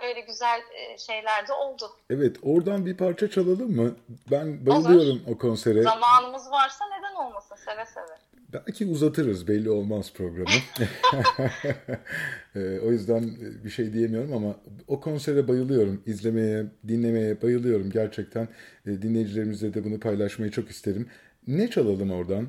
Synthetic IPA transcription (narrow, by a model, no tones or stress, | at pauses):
ø̞jlʲɛɟyzælʲʃe̞jlʲæɾd̪ɛo̞lˠd̪ʊ | ɛvɛt̪ʰo̞ɾd̪anbipʰaɾt͡ʃʰat͡ʃʰalˠalˠɯmːɯbænbajɯlˠɯjo̞ɾumo̞kʰo̞nse̞ɾɛzamaːnɯmɯzvaɾsane̞d̪æno̞lˠmasɯsevɛsevɛ | bælʲcʰiuzat̪ʰɯɾɯɾzbɛlʲːio̞lˠmaz̥pʰɾo̞ɡɾamɯ | o̞jyzd̪ænbiʃe̞jd̪ije̞mijo̞ɾumamao̞kʰo̞nse̞ɾɛbajɯlˠɯjo̞ɾumizlʲe̞me̞jɛd̪inlʲe̞me̞jɛbajɯlˠɯjo̞ɾumɟæɾt͡ʃʰɛc̚t̪ʰænːd̪inlʲe̞jid͡ʒilʲe̞ɾimizd̪ed̪ɛbunupʰajlˠaʃmajat͡ʃʰo̞kist̪ʰe̞ɾimː | ɛt͡ʃʰalˠalˠɯmo̞ɾd̪an